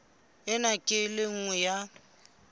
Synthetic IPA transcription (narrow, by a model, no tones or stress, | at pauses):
ɪnakʼɪlɪŋ̩ŋwɛja